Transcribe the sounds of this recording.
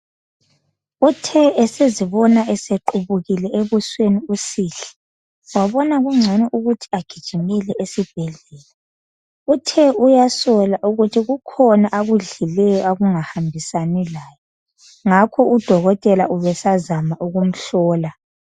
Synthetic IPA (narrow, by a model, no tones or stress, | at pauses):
utʰɛɛseziβɔnaʔɛseǃuβuɣilɛʔeβusweniusiɬɛ̥ | waβɔnaɣuŋ͡ǀʱɛnɛʔuɣutʰi̥aɡ̥ʱid̥ʒ̥ʱimɛlɛʔesib̥̚ʱɛɮɛːla | utʰɛujasɔlaʔuɣutʰiɣukʰɔnaʔaɣuɮilɛjɔaɣuŋahambʱisanɛlaːjɔ | ŋakʰɔʔud̥ʱɔɣɔtʼɛlaʔuβɛsazamaʔuɣum̩ɬɔːla